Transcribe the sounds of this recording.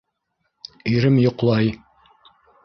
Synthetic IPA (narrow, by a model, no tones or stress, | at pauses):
ijɾɘmjŏqlˠɑj